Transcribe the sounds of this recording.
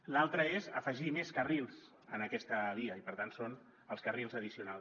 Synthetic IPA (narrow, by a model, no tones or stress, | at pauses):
lalˠt̪ɾəezə̰fəʒimeskərilˠs | ənəkɛst̪əβiəipəɾt̪anson | əlˠskərilˠzəð̞isiuna